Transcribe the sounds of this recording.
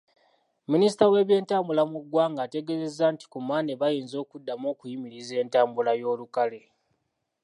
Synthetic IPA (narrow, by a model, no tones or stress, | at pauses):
minisi̥tawe̞ːβje̞ːntaːmbulamuɡwaːŋɡaːte̞ɡe̞ze̞zːaːnti̥kumaːneβajeːnzo̞ːkudːamo̞ːkujimiɾize̞ːntaːmbulajo̞ːlukale̞